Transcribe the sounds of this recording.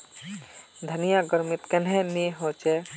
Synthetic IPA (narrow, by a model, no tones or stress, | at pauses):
d̪ʱənijaɡəɾmɪt̪kɛnɦẽneɦoːt͡ʃe